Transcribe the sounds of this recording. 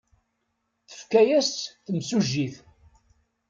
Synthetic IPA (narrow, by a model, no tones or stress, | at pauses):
θə̥fkæjæsθəmsuʒːiθ